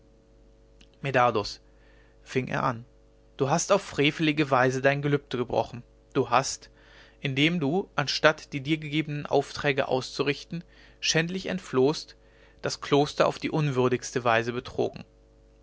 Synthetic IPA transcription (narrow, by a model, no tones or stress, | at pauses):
medados | fɪŋʔḛːɐʔa̰n | d̥uːɦastaʊfʁ̥eːfəlɪɡəvaɪzədaɪnɡəlʏp̚təɡəbʁɔ̰χn̩ | d̥uːɦast | ʔɪndeːmduːʔanʃtatd̥iːdiːɐɡəɡeːbənənʔa̰ʊftʁ̥ɛːɡə̰ʔa̰ʊst͡suʁɪçtn̩ | ʃɛntlɪçɛ̰ntfloːst | d̥askl̥oːstɐʔa̰ʊfd̥iːʔʊnvʏɐdɪçstəvaɪzəbətʁ̥o̰ːɡŋ̩